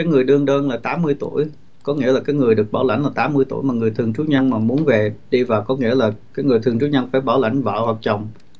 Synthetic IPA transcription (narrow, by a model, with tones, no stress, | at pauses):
aː˨˦jŋɨ˨˩əjɗɨ˧əŋɗəː˧nlaː˨˩t̪aː˨˦mːɨ˧əjt̪ṵ˧˩əj | kɔ˨˦ŋḭ˧˥əlaː˨˩kaː˨˦jŋɨ˨˩əjɗɨ˨˩ək̚ɓaː˧˩wla̰˧˩jŋ̟laː˨˩t̪aː˨˦mːɨ˧əjt̪u˧˩jmaː˨˩ŋɨ˨˩əjt̪ʰɨ˨˩əŋt͡ɕu˨˦ɲə˧nmaː˨˩mu˨˦ənve˨˩ɗi˧vaː˨˩wkɔ˨˦ŋḭ˧˥əlaː˨˩kaː˨˦jŋɨ˨˩əjt̪ʰɨ˨˩əŋt͡ɕu˨˦ɲə˧nfaː˧˩jɓaː˧˩wla˧˩jŋ̟və̰ː˧˨hwaː˨˩k̚t͡ɕə˨˩wŋ͡m